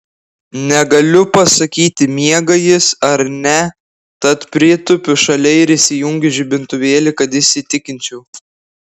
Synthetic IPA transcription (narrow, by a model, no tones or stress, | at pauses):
nʲɛɡɐlʲʊpɐsɐkʲiːt̪ʲɪmʲiɛɡɐjɪsɐɾnʲɛ | t̪ɐt̪pʲɾʲiːt̪ʊpʲʊʃɐlʲɛɪɾɪsʲɪjʊŋʲɡʲɪʒʲɪbʲɪnt̪ʊʋʲeːlʲɪkɐt̪ɪʃʲsʲɪt̪ʲɪkʲɪnʲt͡ʃʲɛʊ